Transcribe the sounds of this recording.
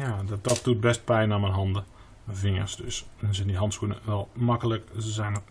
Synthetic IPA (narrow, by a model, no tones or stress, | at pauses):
jaːd̥ɔt̚d̥ut̚bɛst̚pɛjnamɛnɦɑndə | vɪŋə̰rsdøsɛnsɪndiɦɑntskunə̰ʋɛlˠmakələkəzɛjnə